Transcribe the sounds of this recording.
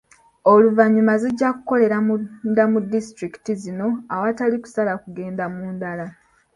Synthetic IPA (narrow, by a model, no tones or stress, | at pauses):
o̞luvaɲumaziɟːaku̥ko̞le̞ɾamudamudistɾiki̥tizino̞awataliku̥salakuɡe̞ːndamuːndala